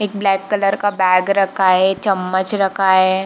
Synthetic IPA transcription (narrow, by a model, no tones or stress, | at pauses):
eːk̚blɛːkːɐləɾkabɛːɡɾɐkʰaet͡ʃɐmːət͡ʃɾɐkʰaɦe